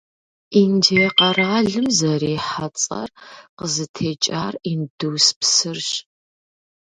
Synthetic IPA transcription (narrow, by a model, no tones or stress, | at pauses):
indeːqɐraːɮɨmzɐreːħat͡sʼɐ̰rqəzɨtʰeːt͡ʃʼaːrindɨwspsɨrɕ